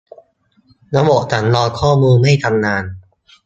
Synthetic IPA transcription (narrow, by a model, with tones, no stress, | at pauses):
na˦˥bo˨˩ʔ̚t̪ʰa˩˦nlɔː˧nkʰɔː˥˩muː˧nma˥˩jt̪ʰa˧mnaː˧n